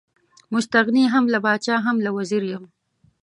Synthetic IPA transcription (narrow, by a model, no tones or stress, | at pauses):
mʊst̪aɣniɦamlabɑːt͡ʃɑːɦamlawaziɾjam